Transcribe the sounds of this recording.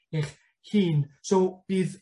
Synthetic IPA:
eχ | hiːnsɔwb̥iːð

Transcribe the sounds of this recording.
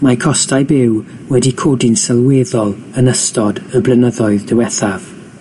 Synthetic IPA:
makʰɔstajbɪw | wɛdikʰoːdɪnsəlˠweːðɔlˠənəstʰɔdəblˠənəðɔɨðdəwɛθav̥

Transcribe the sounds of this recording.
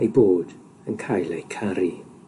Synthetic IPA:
ejboːd̥ | ənkʰajlejkʰaɾi

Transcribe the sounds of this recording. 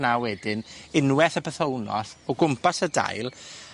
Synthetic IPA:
nawɛdɪnɪnwɛθəpəθownɔ̰θɔɡʊmpʰasəda̰jlˠ

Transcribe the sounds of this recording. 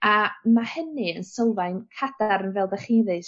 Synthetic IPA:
amahənɨənsəwˠvajnkʰad̥aɾənvɛːlˠbɛχiðɨs

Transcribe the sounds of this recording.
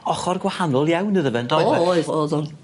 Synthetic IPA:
ɔχɔrɡwahanɔlˠjawnəðəvɛndɔoːðʊn

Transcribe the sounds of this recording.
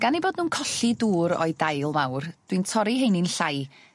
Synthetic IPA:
ɡ̥aniboːdnuːnkʰɔɬiduːɾɔ̰ɨdajlˠmawrd̥wintʰɔɾiɦejnɪnɬaj

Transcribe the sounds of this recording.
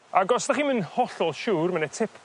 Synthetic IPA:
aɡɔsdaχiːnmɪnhɔɬɔlˠʃuːrmanɛtʰɪpʰ

